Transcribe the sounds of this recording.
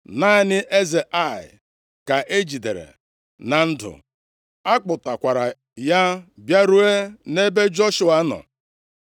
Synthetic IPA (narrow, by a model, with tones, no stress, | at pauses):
na˦ɪ˨nɪ˦ʔe˦ze˨ʔa˦˨ɪ̰˨ | ka˨ʔe˦d͡ʒi˨dḛ˨ɾḛ˨ | na˨n̩˦dʊ̰˨ | a˦k͡pʊ˨ta˨kʷa˨ɾa˨ | ja˦bja˦ɾu˦e˦ne˦be˦d͡ʒɔ˦ʃu˨a˨˦nɔ̰˨